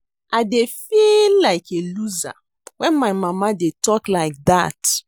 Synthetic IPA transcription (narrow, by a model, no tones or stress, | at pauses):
ʔaɪdefilːaɪkʰeluza̰ | wɛ̃nmaɪmãmadetʰɔklaɪk̚ða̰t